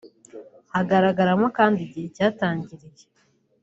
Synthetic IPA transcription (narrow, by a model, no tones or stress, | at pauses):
haɡaɾaɡaɾamokaːndiɟihecaːtaːɲɟiɾije